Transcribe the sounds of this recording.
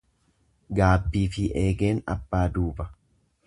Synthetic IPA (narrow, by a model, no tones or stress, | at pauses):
ɡaːbːiːfɪʔeːɡe̞ːnɐ̰bːaːd̪uːbɐ